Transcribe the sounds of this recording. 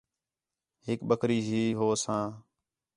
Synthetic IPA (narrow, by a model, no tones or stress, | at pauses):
hɪk̚ɓəkʰɾiːɦiːɦoːsãː